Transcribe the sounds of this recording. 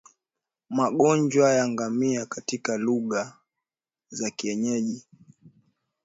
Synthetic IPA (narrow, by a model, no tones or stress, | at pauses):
maɠɔɲd͡ʒwajaŋɡamiakatikaluɠa | zakiɛɲɛʄi